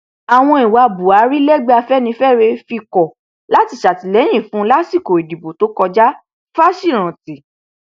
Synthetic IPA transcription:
a˨w̃ɔ̃˧i˨wa˧bu˨a˨˦ɾi˦lɛ˦ɡ͡be˦a˧fɛ˦nĩ˧fɛ˦˨ɾe˧fi˧kɔ˨ | la˦ti˧˨ʃa˨ti˨lɛ˨˦j̃ĩ˦˨fũ˨˦la˦si˦˨ko˨i˨di˨bo˨to˨˦kɔ˧d͡ʒa˦ | fa˦ʃi˦˨ɾ̃ã˨ti˨

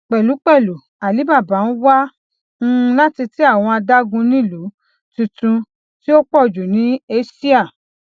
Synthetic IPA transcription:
k͡pɛ˨lu˨˦k͡pɛ˦˨lu˨ | a˨li˨˦ba˦˨ba˨˦wa˦ | ŋ̩̃˦˧la˦ti˧ti˦a˦˨w̃ɔ̃˧a˧da˦ɡũ˧nĩ˦˨lu˨˦ | tĩ˧tũ˧ | ti˦o˦k͡pɔ˦˨d͡ʒu˨nĩ˨˦e˦si˦a˦˨

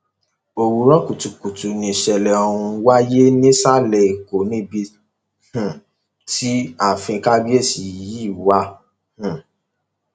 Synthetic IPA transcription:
o˧wu˧ɾɔ˦ku˨tu˨ku˨tu˨nĩ˧˨ʃɛ˧lɛ˨ɔ˧ũ˧wa˦je˦nĩ˦sa˦˨lɛ˨i˨ko˨nĩ˦bi˧ | h̩˨ | ti˦a˦˨fĩ˧ka˦bi˦e˦˨si˨ji˦˨wa˦ | h̩˨

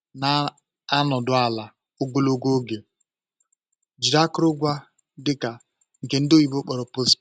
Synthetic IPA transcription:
naː˨˦ | nɔ˨dʊ˨a˨la˨ | ʊ˦ɡo˦lo˦ɡo˦ɡe˨ | d͡ʒi˨ɾa˦kʊ˦ɾʊ˦ɡʷa˦ | dɪ˦ka˨ | ŋ̩˨ke˨n̩˦do˦ji˦bo˦k͡pɔ˨ɾɔ˨po˦s

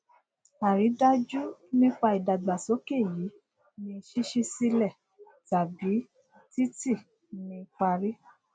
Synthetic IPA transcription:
a˨ɾi˨˦da˦d͡ʒu˦nĩ˦k͡pa˧i˨da˨ɡ͡ba˨sɔ˨˦ke˦˨ji˨˦ | nĩ˧ʃi˦ʃi˦si˦lɛ˦˨ | ta˨bi˨˦ | ti˦ti˦˨ | nĩ˧k͡pa˧ɾi˦

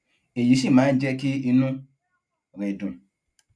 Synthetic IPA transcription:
e˨ji˨si˦˨ma˨˦n̩˦d͡ʒe˦kɪ˦i˦nu˦ | ɾe˨du˨

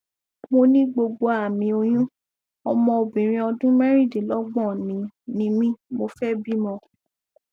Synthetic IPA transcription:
mo˧nĩ˦ɡ͡bo˧ɡ͡bo˧a˨mĩ˧˦o˧j̃ũ˦ | ɔ˧mɔ̃˧o˧bĩ˨ɾ̃ĩ˧ɔ˧dũ˦mɛ˦ɾĩ˦˨di˨lɔ˨˦ɡ͡bɔ̃˦˨nĩ˨˦nĩ˧˦mĩ˦mo˧fɛ˦bi˦mɔ̃˧˨

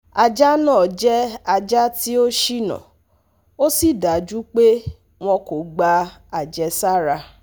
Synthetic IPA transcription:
a˨d͡ʒa˦nãː˦˨d͡ʒɛ˦a˧d͡ʒa˦ti˦o˦ʃi˦nã̰˨ | o˦si˦˨da˨d͡ʒu˦k͡pe˦ | w̃ɔ̃˧ko˨ɡ͡ba˧a˨d͡ʒɛ˧sa˦˨ɾa˧

